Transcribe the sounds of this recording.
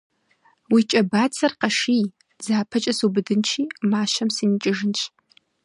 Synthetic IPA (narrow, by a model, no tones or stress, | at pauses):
wit͡ʃʼɐbaːt͡sʰɐrqɐʂiː | zaːpʰɐt͡ʃʼɐsubɨdɨnt͡ʃʰiːmaːʃɐmsɨnit͡ʃʼɪʒɨnt͡ʃʰʼ